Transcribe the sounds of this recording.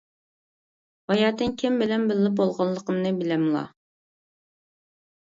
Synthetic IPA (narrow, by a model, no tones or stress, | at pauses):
wɑjɑːt̪ɨnkʲʰɪmbɪlɛnbɪlːɪp̚bolˠʁɑnlˠəqəmnɨbɪlɛmlˠɑ̰